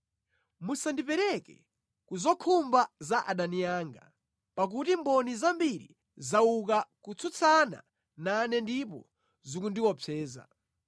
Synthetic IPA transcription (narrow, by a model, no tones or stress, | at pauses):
musandipɛɾɛkɛ̰ | kuzɔkʰumbazaʔaɗanijaːŋɡa | pak̬utimbɔnizambiɾḭ | zaukakut͡sʰut͡sʰana̰ | nanɛndip̬ɔ̰ | zikundiwɔpʰɛːza̰